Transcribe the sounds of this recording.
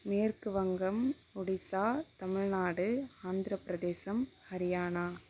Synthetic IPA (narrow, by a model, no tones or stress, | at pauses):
meːrkɯʋɐŋɡɐm | ɔɽɪsaːt̪ɐmɪɻnaːɽɯaːnd̪ɾɐpːɪɾɐd̪eːsɐmhɐɾɪjaːnaː